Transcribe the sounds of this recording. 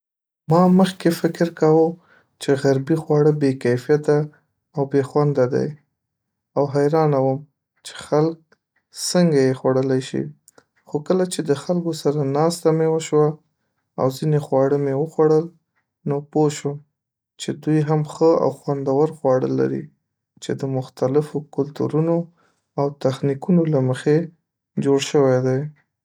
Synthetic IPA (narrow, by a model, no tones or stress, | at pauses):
mɑməxkefɪkɪɾkawə | t͡ʃeɣaɾbixwɑɽəbekajfijat̪aː | wbexwand̪ad̪a̰j | awɦajɾɑnawəm | t͡ʃe̥xalk̚ | səŋɡajexwaɽəlajʃḭ | xokəlat͡ʃed̪əxalkosaɾanɑst̪amewəʃwa | a̰wzinexwɑɽəmewəxwaɽəl | nopoʃəm | t͡ʃed̪ujɦamxəa̰wxwand̪awəɾxwɑɽə̰la̰ɾḭ | t͡ʃed̪əmʊxt̪alɪfokʊlt̪ṵɾuno | awt̪axnikunolaməxe | d͡ʒoɽʃəwajd̪aj